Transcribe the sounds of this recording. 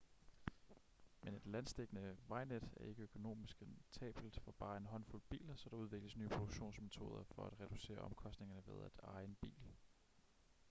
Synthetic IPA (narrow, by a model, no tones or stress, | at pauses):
mene̝d̥lænsd̥eɡ̥ənəʋɑ̈ɪned̥æɐe̝ɡ̥əøkʰo̝no̝̰ːmisɡ̥ent͡sʰɛ̰ːb̥l̩d̥fɒ̽b̥ɑ̈ːe̝nɦɒ̽nfulb̥ḭːlɐsɒ̽d̥ɑ̈uð̞ˠʋe̝ɡ̥ləsnyːpʰʁod̥uɡ̥ɕo̝̰ːnsme̝t͡sʰo̝ːð̞ˠɐfɒ̽æd̥ʁɛd̥use̝̰ːɐɒ̽mkʰɒ̽sd̥ne̝ŋɐnəʋe̝ð̞ˠæd̥ɑ̈ɪenb̥ḭːl